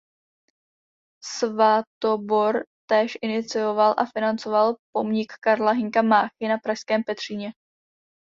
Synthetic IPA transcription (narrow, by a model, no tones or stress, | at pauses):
svat̪obo̞ɾt̪ɛːʃʔɪnɪt͡sɪjo̞valʔa̰fɪnant͡so̞valpo̞mɲɪkːaɾlaɦɪŋkamaːxɪnapɾaʃskɛːmpɛt̪r̝̥iɲɛ